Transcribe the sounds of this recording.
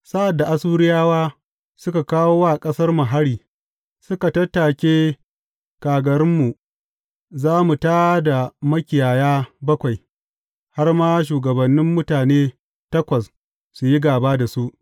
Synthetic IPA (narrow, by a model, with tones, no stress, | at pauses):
sa˦ʔa˨dːa˨ʔa˨suː˦ɾɪ˦jaː˦waː˦ | sʊ˦ka˨kaː˦woː˦wa˦˨kʼɐ˦sɐ˦rmʊ˨ɦa˦ɾiː˨ | sʊ˦ka˨tɐ˦tːaː˨kʲeː˦ | kaː˨ɡɐ˨ɾɪ˦mːu˨ | zaː˦mu˨taː˦da˨mɐ˦kʲɪ˨jaː˨jaː˦bɐ˦kʷa˨j | ha˦rmaː˦ʃ̬uː˨ɡɐ˨bɐ˨nːɪ˦mːʊ˦taː˨neː˦ | tɐ˦kʷɐ˨s | su˨ji˦ɡaː˨baː˦da˨su˦ʔ